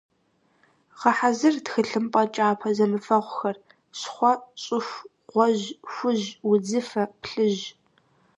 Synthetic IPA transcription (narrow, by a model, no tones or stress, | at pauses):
ʁɐħazɨrtxɨɬɨmpʼɐt͡ʃʼaːpʰɐzɐmɨfɐʁʷxɐr | ɕχʷɔɕʼɪxʷ | ʁʷɔʑxʷʊʑwʊd͡zɨfɐpɬɨʑ